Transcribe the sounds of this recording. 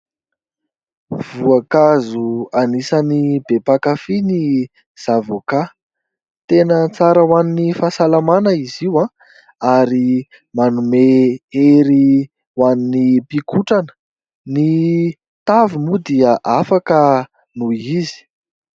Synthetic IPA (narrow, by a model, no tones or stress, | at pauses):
v̥uakazuanisənibepakafini | z̥avoka | t̪enət͡saɾəwaninifasalamanəiziwã | aɾi | manumeeɾi | waninipikuʈ͡ʂanə̥ | ni | t̪avimud̪iəʔafakə | nuizi̥